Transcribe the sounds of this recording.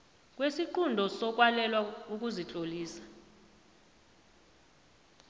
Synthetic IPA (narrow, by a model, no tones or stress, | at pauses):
k̬ʼwesiǃundʱɔsɔk̬ʼwalɛlwauk̬ʼuzit͡ɬʼoliːsḁ